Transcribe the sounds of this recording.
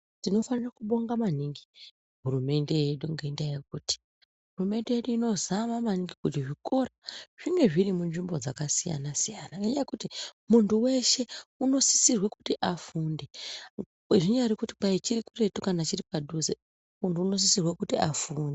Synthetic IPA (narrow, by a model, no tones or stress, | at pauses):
tino̞fanirakuɓo̞ŋɡamaniŋɡi | ɦurume̞nde̞jeɗuŋɡeindajek̚uti̥ | ɦurume̞ndejeɗuino̞zamamaniŋɡikutiʐiko̞raʐ̥iŋɡe̞ʐiɾimunʐimbod͡zakasija̰nasijanaŋɡeɲajekutimuntuwe̞ʃe̞uno̞si̥sirweku̥tiʔafuːnde̞ | eʐiɲaɾikuti̥pait͡ʃirikure̞tukanat͡ʃiripaɗuze | muntuːno̞s̬isirwekutiafuːnde